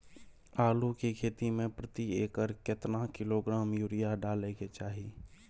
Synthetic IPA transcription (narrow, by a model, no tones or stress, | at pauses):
aːlukikʰeːt̪imẽpɾət̪ieːkəɾket̪nakɪloɡɾaːmjuːɾijaɖaːleket͡ʃaːɦi